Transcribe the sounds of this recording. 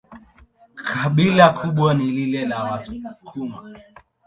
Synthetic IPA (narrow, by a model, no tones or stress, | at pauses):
kʰaɓilakʰuɓwanililɛlawasukʰuma̰